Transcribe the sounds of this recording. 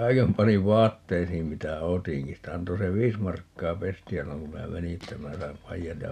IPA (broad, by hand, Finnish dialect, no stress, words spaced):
kɑi̯kem pɑniʋ ʋɑːtːeisiːm mitæ otiŋki sitæ ɑnto se ʋiːs mɑrkːɑː pestiæ silːoŋ ku minæ meni etːæ minæ sɑim pɑijɑt jɑ